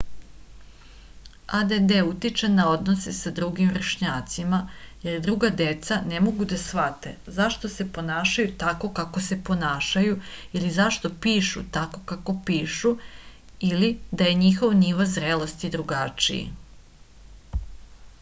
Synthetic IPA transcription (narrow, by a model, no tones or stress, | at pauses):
ad̪ed̪eut̪it͡ʃenao̞d̪nosesad̪ɾuɡimɾeʃɲaːt̪simaje̞rd̪ɾuɡad̪e̞t̪sanemo̞ɡud̪asʋat̪ḛzaʃt̪o̞se̞po̞naːʃajut̪ako̞kako̞se̞po̞naːʃajuilizaʃt̪o̞piːʃṵt̪ako̞kako̞piːʃu | ilid̪aje̞ɲixo̞ʋniʋazɾelost̪id̪ɾuɡat͡ʃḭḭ